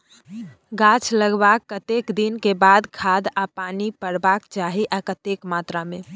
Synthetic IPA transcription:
ɡat͡ʃʰləɡbakːət̪ekd̪inkebad̪kʰad̪apanipəɾbakt͡ʃaɦiʔakət̪ekmat̪ɾamẽ

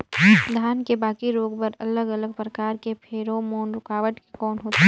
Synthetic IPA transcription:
d̪ʱaːnkebaːkiɾoːɡbəɾɐləɡələɡ̚pɾɐkaːɾkepʰeːɾomoːnɾʊkaːʋəʈ̪ke̥kɔːnɦoːt̪e

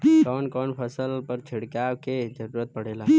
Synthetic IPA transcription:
kɔːnkɔːnpʰəsəlpəɾt͡ʃʰɪɽkaːwked͡ʒəɾuːɾət̪̚pɐɽeːlaː

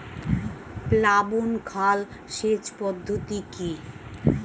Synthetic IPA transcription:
plabonkʰal | ʃet͡ɕpɔd̪ʱːot̪iki

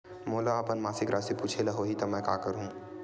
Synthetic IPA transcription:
moːlaaːpɐnmaːsɪkɾʔaːsepuːt͡ʃʰelɐɦoɦit̪ɐmɛ̃ːka̰ːkəɾɦũː

